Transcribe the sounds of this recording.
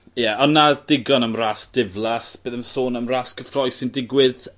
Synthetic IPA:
jɛɔnːad̥ɪɡɔnəmraːsd̥ɪvlˠasb̥eːðəmsoːnəmraːskʰəfrɔjsɪndɪɡwɪð

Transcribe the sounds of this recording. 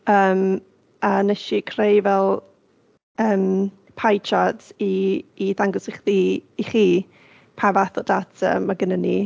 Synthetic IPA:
əːm | anɛʃikʰrejvɛlˠ | əːm | pʰajt͡ʃʰadiːðaŋɡɔsɪχðiːχiː | pʰavaθɔdatʰə̰maɡənəni

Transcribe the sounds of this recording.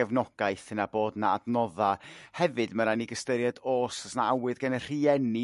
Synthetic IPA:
ɛvnɔɡ̥ajθənaboːdnaa̰dnɔðahɛvɨdmaɾaniɡəstəɾjadoːsɔsnaawɨðɡanə̥r̥iɛni

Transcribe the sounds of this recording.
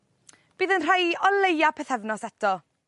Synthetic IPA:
b̥iːðənr̥ajɔlˠejapʰɛθɛvnɔsɛtʰɔ

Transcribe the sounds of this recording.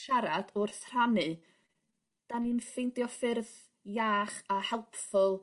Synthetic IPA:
ʃaɾadʊrθr̥anɨ | d̥aninfɪndjɔfɪrð | jaːχahɛlˠpfʊlˠ

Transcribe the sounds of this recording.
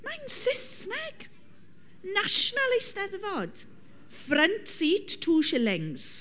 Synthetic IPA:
mansɪsnɛɡ̥ | naʃnalejstɛðvɔd̥ | frəntsiːtʰːuːʃɪlɪŋs

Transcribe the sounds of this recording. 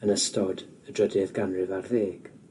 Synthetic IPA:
ənəstʰɔd | ədɹədɪðɡanrɪvarðeːɡ̥

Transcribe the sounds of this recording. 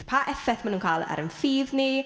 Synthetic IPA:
pʰaʔɛfɛθmanuːnkʰaːlˠa̰ɾənfiːðni

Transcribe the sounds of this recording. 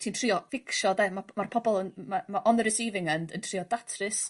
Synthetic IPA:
tʰiːntʰr̥iːɔfɪkʰʃɔðɛmamarpʰɔbɔlˠənmamaʔɔnəɾɪsiːvɪŋəndəntʰr̥iɔdatʰrɨs

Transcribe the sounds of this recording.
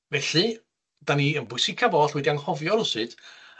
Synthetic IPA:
vɛɬɨ | d̥aniənbʊɨsikʰavɔɬwɛdianhɔvjɔrʊsɨd̥

